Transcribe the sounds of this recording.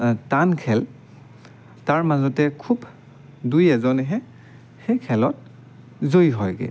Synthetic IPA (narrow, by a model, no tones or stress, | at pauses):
tankʰɛl | taɹmazɔtɛkʰub | dujɛzɔnɛɦɛ | xejkʰɛlɔt̚ | zojɦɔjɡɛ̰